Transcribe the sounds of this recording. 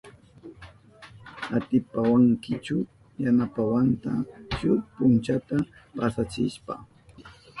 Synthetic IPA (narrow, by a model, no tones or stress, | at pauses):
at̪ɪpawaŋkɪt͡ʃʊ | janapawant̪at͡ʃʊpʊnt͡ʃat̪apasat͡sɪ̰ʃpa̰